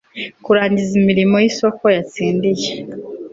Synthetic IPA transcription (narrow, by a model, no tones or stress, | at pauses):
kuɾaːɲɟizimiɾimo̞jiso̞ko̞jat͡siːndije